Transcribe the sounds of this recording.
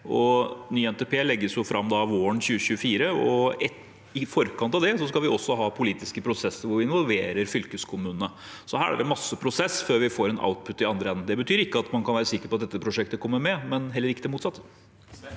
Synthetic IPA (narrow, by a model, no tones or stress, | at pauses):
ɔnyːɛnt̪epʰeːlɛɡːəsjʊfɾɑmːd̪ɑʋoːəɳçʉːəɕʉːəfiːɾəɔɛ | ɪfɔɾkɑnt̪ɑʋd̪ɛsɔskɑlʋɪɔsːɔɦɑːpʰʊliːt̪ɪskəpʰɾʊsɛsːəɾʋʊɾʋɪɪnʋɔlʋeːɾəɾfʏlkəskʰʊmʉːnənə | sɔhæːɾæ̰ɖɛmɑsːəpʰɾʊsɛsːføːɾʋɪfoːɾɛnʔa̰ʊt̪̚pʰʉt̪ːɪɑnd̪ɾəɛnːn̩d̪ɛbət̪ʰyːɾɪkːəɑt̪mɑnkʰɑnʋæːɾəsɪkːəɾpɔt̪d̪ɛt̪ːəpʰɾʊʂɛk̚t̪əkʰɔmːəmɛmɛnɦɛlːəɾɪkːəd̪ɛmuːt̪sɑt̪ːə